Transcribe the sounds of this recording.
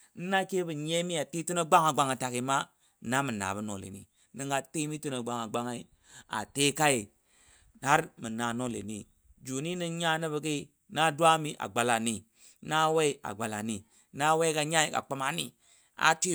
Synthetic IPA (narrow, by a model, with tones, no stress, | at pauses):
n̩˦na˦ke˦bi˨ɲe˦mi˦a˨ti˦tu˦no˦ɡ͡ba˦ŋa˨ɡ͡ba˦ŋa˨ta˨ki˨ma˦ | na˦mi˨na̰˨bu˦no˨lḛ˨nḭ˨ | ni˦ŋɡa˨ti˦mi˦tu˦no˨ɡ͡ba˦ŋa˨ɡ͡ba˦ŋa˦i˦ | a̰˨te˦ka˦i˨ | ha˦ɾmi˨na˨no˦lḛ˨nḭ˨ | d͡ʒu˨ni˦ni˦ŋɲa˦ni˦bi˨ki˦ | na˦dwa˦mi˦ʔa̰˨ɡ͡ba˨la˨ni˨ | na˦we˦a̰˨ɡ͡ba˨la˨ni˨ | na˦we˦ka˨ɲa˦i˨ka̰˨k͡pa˦ma˨ni˦ | a̰˨ti˦